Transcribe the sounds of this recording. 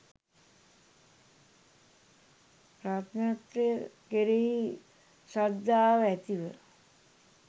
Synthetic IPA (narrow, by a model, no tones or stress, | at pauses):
pɾat̪nat̪ɾejəkeɾeɦi | sad̪ːaːʋəæt̪iʋə